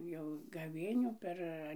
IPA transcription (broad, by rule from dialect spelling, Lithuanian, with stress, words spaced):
jɛʊ ɡɐˈʋʲeːnʲuː ˈpʲɛr